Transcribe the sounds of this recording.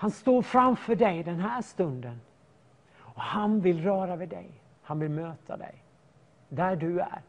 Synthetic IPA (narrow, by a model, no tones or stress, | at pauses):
hanst̪oːɾfɾamfœɖɛjd̪ɛnɦæːʂt̪ɵnd̪ən | ɔhanvɪlːɾœːɾavɛd̪ɛ̰j | hanvɪlmøːt̪ʰa̰d̪ɛ̰j | d̪æɖɵæ̰ɾ